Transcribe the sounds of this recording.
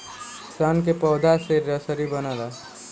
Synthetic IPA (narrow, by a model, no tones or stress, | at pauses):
sankepɔːd̪ʱaseɾɾəsəɾibənala